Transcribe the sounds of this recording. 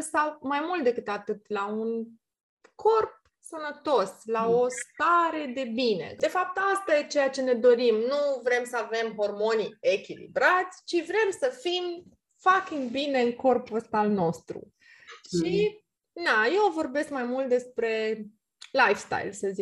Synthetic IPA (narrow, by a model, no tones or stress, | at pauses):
sawmajmult̪̚d̪e̞kɨt̪at̪ɨt̪laun | kʰo̞rp̚ | sənət̪o̞slao̞st̪aɾe̞d̪e̞bine̞̰d̪e̞fap̚t̪ast̪ajet͡ʃe̞jat͡ʃe̞ne̞d̪o̞ɾimnuvɾe̞msəave̞mɦo̞rmo̞nie̞kʲilḭbɾat̪sʲt͡ʃivɾe̞msəfim | fakʲiŋɡbine̞ɨŋko̞rpuəst̪alno̞st̪ɾṵ | ʃi | naje̞wvo̞rbe̞skmajmult̪̚d̪e̞spɾe̞ | lajfst̪a̰jlsəzi